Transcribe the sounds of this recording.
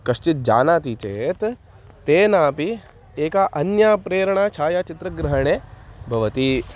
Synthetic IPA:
kɐʃt͡ʃit̪̚d͡ʒa̰ːnaːt̪iːt͡ʃeːt̪ | t̪eːnaːpi | eːkaːʔɐnjaːpɾeːɾɐɳaːt͡ʃʰaːjaːt͡ʃit̪ɾɐɡɾɐɦɐɳ̃eːbʱɐʋɐt̪i

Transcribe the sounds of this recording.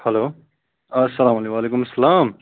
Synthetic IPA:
hɐloː | ɐsːɐlaːmɐleʋaːleːkʊmɐsːɐlaːm

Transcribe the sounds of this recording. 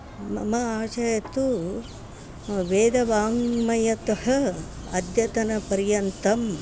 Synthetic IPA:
mɐ̰mɐaːt͡ʃɐjɐt̪u | ʋeːd̪ɐʋaːŋmɐjɐt̪ɐɦɐ | ɐd̪jɐt̪ɐnɐpɐɾjɐnt̪ɐm

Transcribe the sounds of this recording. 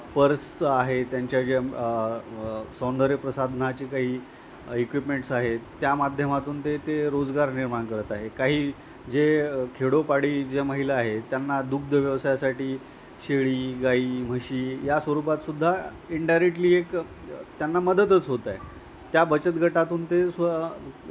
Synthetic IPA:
pəɾst͡səaɦet̪jaɲt͡ɕjad͡ʑe | sɔ̃nd̪ʱəɾepɾəsad̪ʱnat͡ɕiːkaɦiː | ikʋipmeɳʈsaɦet̪jamad̪ʱjəmat̪uːnt̪et̪eɾod͡zɡaɾniɾmaɳkəɾət̪aɦekaɦiː | d͡zekʰeɽopaɽiːd͡ʑeməɦileaɦet̪janːad̪uk̚d̪ʱəʋjəʋsajasaʈiː | ɕeɭiːɡaiːm̤əɕiːjasʋəɾupat̪sud̪ʱːa | iɳɖajɾek̚ʈliːek | t̪janːaməd̪ət̪ət͡sɦot̪aj | t̪jabət͡ɕət̪ɡʱəʈat̪uːnt̪es

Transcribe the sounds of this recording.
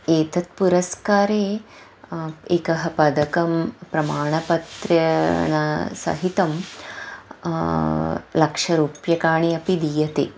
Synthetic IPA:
eːt̪ɐt̪̚puɾɐskaːɾeː | ekɐɦɐpɐd̪ɐkɐmpɾɐmaːɳɐpɐt̪ɾɐnɐsɐ̰ɦit̪ɐm | lɐkʂɐɾuːpjɐkaːɳiɐpid̪ijɐt̪eː

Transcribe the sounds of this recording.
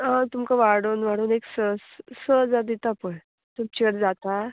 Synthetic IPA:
ɦãt̪umkaʋaɽoːnʋaɽuːneksəssəd͡zad̪it̪apəɳ | t̪umt͡ɕəɽd͡zat̪a

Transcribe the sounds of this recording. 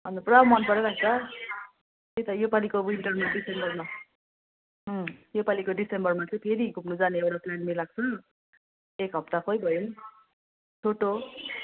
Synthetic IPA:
ʌnd̪ʌprʌmʌnpʌɾʌɾaɡt̪ʌ | t̪et̪ʌjopalikowwiɳʈʌrmaɖisembʌrma | jopalikoɖisembʌrmat͡sʰʌj̃pʰeɾikupnud͡zaneewɾaslanmelaɡ̚t͡sʰʌ | ekɦʌp̚t̪akʰojbʱʌjon | t͡sʰoʈo

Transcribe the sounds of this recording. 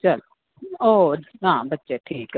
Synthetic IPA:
t͡ʃɐl | oːɦãːbətːʃeʈʰiːk

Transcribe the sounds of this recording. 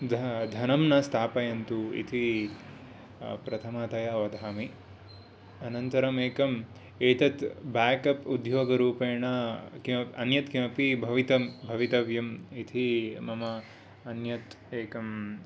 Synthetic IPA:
d̪ʱd̪ʱɐnɐmnɐst̪ʰaːpɐjɐnt̪uḭt̪ʰi | pɾɐt̪ʰɐmaːt̪ɐjaʋɐd̪ʱaːmi | ɐnɐnt̪ɐɾɐmeːkɐm | eːt̪ɐt̪baːkɐpud̪ʱjoːɡɐɾuːpeːɳɐkimɐɐnjɐt̪kimɐpibʱɐʋit̪ɐmbʱɐʋit̪ɐʋjɐmit̪ʰimɐmɐː | njɐt̪ | eːkɐm

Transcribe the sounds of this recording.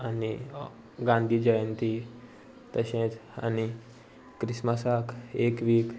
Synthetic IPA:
ani | ɡãnd̪ʱiːd͡ʒəjənt̪i | t̪əɕẽt̪a̰ni | kɾisməsakekʋiːk

